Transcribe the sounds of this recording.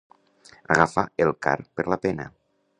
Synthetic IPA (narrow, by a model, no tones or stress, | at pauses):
aɣafaelˠka̰ɾpeɾlapena̰